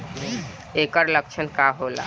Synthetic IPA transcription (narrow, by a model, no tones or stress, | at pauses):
ekəɾlək̚t͡ʃʰənkaɦola̰